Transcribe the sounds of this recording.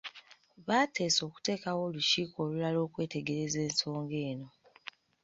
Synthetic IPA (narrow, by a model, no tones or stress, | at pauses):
βaːte̞ːso̞ːku̥te̞ːkawo̞ːluʃiːko̞ːlulalo̞ːkwe̞ːte̞ɡe̞ɾe̞ze̞ːnso̞ːŋɡe̞ːno̞